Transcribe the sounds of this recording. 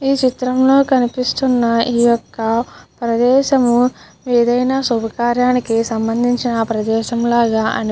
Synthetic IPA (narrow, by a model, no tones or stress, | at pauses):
iːt͡ʃit̪ɾɐmlo̞ːkɐnipist̪unːɐiːjɔkːɐpɾɐd̪ɛːʃɐmu | eːd̪ɐjnaːsubʱɐkaːɾjaːnikisɐmbɐnd̪ʱiɲt͡ʃinɐpɾɐd̪ɛːʃɐmlaːɡaːʔɐ̰n